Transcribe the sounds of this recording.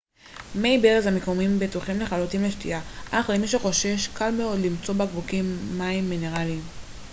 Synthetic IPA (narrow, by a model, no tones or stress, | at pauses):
mejbeʁezamekomimbet̪uχimle̞χalutimleʃtḭaʔaχlemiʃ̬eχo̞ʃe̞ʃkalmeo̞d̪limt͡so̞bakvukimːaimːine̞ʁaliːm